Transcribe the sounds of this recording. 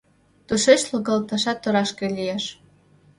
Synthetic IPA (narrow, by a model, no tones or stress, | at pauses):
t̪uʃeʃloɣɑlt̪ɑʃɑt̪ːŏɾɑʃkelʲijeʃ